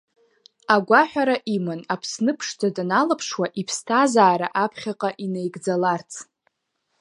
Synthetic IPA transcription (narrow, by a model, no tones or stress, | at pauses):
aɡʷaħʷᶣaɾaʔimɨnapʰsnɨpʰʂtʰadnalapʰʂwaʔipʰstʰazaːɾaʔapʰχʲaqʼaʔinejɡd͡zalart͡sʰ